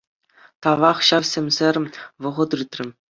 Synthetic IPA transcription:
t̪ɑʋɑχɕɑʋsʲemʲzʲerʲmʲʋɤ̆ʁɤ̆t̪ɯt̪ʲrʲɘ̆mʲ

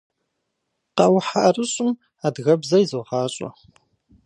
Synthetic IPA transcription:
qɑwħaʔrɨɕʼʊm | aːdɣɐbzɐjzoʁɑːɕʼɔ̰

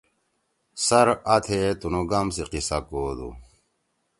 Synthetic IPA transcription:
sɐɾat̪ʰet̪unoɡamsiqisakoːd̪ṵ

